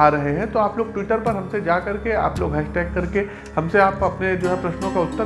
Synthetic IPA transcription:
aːɾɐɦeɦɛ̃t̪oaːploːɡ̚ʈwiːʈəɾpɐɾɦɐ̃msed͡ʒaːkɐɾkea̰ːploːɡɦɛːsʈɛːkːɐɾke | hɐ̃mseaːpɐpned͡ʒoːɦɛpɾɐʃnõkaʊt̪ːə

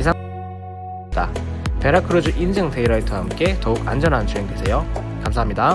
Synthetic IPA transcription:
isʰa | d̥a̰pe̞ɾakʰɯɾod͡ʑuʔind͡ʑɯŋte̞iɾʌitʰɯɦamk͈e̞tʌuka̰nd͡ʑʌnɦant͡ɕʰueŋɡesʰe̞jokamsʰaɦamɲida

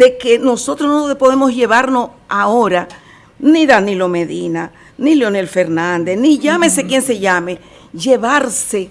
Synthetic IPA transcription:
deke̞no̞so̞t̪ɾosnoðepo̞ðe̞mo̞sʝe̞βaɾno̞s | aoɾa | niðanilo̞me̞ðina | niljo̞nelfe̞ɾnand̪e̞sniʝamesekjense̞ʝame̞ | ʝe̞βaɾse̞

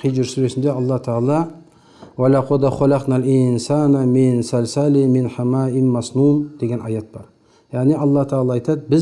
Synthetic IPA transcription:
qʰijʒɪɾsuɾesɪnd̪eɑlˠːɑt̪ʰɑɑlˠɑ | walaqʰod̪aχolɑqnalʔɪnsanamɪnsalsalimɪnħamaːɪnmɑsnund̪̥e̞ɡʲenʔɑjɑt̪̚b̥ɑɾ | jaʁniɑlˠːɑht̪ʰɑɑlˠɑɑjt̪ʰɑt̪̚bɪz

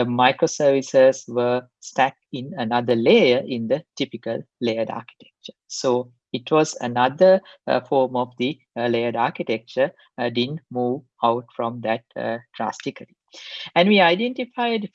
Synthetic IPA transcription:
maɪkɾosəːɾʋisəsʋə | sʈæk̚ĩnənad̪əleːəʔĩnd̪əʈipikəlːeəɖa̰ːki̥ʈe̥k̚t͡ʃəsoː | iʈʋɔzə̰nad̪əfɔːɾmɔʋd̪i | leːəɖaːɾkiʈek̚t͡ʃə | ɖidən̩ʈmuːʋ | aʊʈfɾɔ̃md̪æʈ̚ɖ̥ɾa̰sʈikəli | æ̃nɖʋiːaɪɖẽnʈifaɪɖ

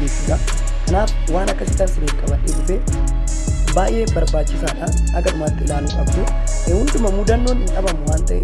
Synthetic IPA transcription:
eːsɪsɐ | kɐnaːf | waːnɐkːɐsɪkɐnsɪdeːkʼɐbɐtːeːʊbe | baːʔe̞ːmbɐɾbaːt͡ʃːɪsaːᶑanhɐɡɐd̪ʊmaːt̪ːɪɪlaːluːkʼɐbd̪ʊ | hʊnd̪ʊmɐmud̪ɐnːoːnɪŋkʼɐbɐmːʊwaːnt̪ɐʔɛ

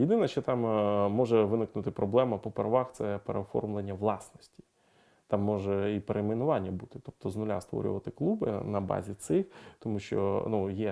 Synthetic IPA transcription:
jɪd̪ɪnɐʃt͡ʃɔt̪ɑmmɔʐɛʋɪnɪknʊt̪ɪpɾɔblˠɛmɐpɔpeɾɐʋɑxt̪sɛpeɾeɔfɔ̰rmlˠenʲːɐʋlˠɑsnɔsʲtʲi̥ | t̪ɑmːɔʒɛipeɾemɪnʊʋɑnʲːɐbut̪ɪ̥t̪ɔp̚t̪ɔznʊlʲa̰st̪ʋɔ̰ɾʲʊ̰ʋɐt̪ɪklˠubɪ̰nɐbɑ̰zʲit̪sɪxt̪ɔmuʃt͡ʃɔ̰nujɛ

